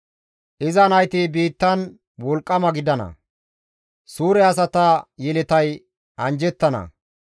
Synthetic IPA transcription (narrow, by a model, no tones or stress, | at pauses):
ʔɪzɐnɐjt̪ibiːt̪ːɐn | wɔlkʼːɐmɐɡɪd̪ɐnɐ̰ | suːɾɛɐs̬ɐt̪ɐjɛlɛt̪ɐj | ɐnd͡ʒɛt̪ːɐnɐ̰